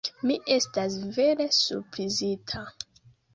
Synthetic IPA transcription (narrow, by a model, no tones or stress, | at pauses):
miʔe̞stasve̞ɾe̞sṵɾpɾizitʰa